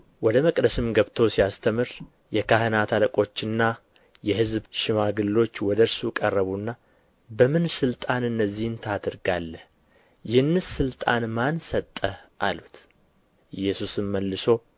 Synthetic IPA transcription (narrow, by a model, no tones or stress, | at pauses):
wɔd̪əməkʼd̪əsɨmɡəβt̪ʰo̞sijast̪ʰəmɨɾ | jɛkʰahɨnat̪ʰaləkʼo̞t͡ʃːɨnːa | jɛhɨzbʃɪmaɡɨlːo̞t͡ʃːwɔd̪əɾsukʼərːəβunːa | bəmɨnsɨlt̪ʼanɨnːəzːihnt̪ʰad̪ɨɾɡalːəh | jɪhɨnːɨsːɨlt̪ʼanmansət̪ʼːəʔalut̪ | jːɛsusɨmməlːɨso̞